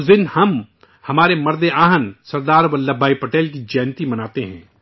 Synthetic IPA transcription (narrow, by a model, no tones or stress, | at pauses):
zɪnhɐm | hɐmaːɾemɐɾd̪eaːɦənsɐɾd̪aːɾbɐlːɐbʱaːipɐʈeːlk̬id͡ʒɛːnt̪imɐnaːt̪eɦɛ̃ː